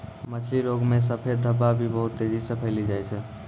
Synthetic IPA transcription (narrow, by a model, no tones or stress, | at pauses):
mət͡ʃʰliɾoɡmes̬əpʰeɾ̚d̪ʱəbabʱibəɦut̪ːed͡ʒisəpʰəjlid͡ʒajt͡ʃʰɛ